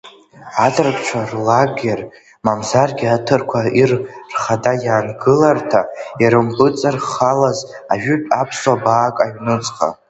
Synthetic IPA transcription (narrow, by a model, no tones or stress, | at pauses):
atʼɨrkʼt͡ʃʷʰarlaɡʲer | mamzarɡʲiatʰɨrkʷʰairrχadajaːnɡɨlartʰaiɾɨmpʼɨt͡sʼarχalaz | aʒᶣʏpʼapʰswabaːkʼaɥnɨt͡sʼqʼa̰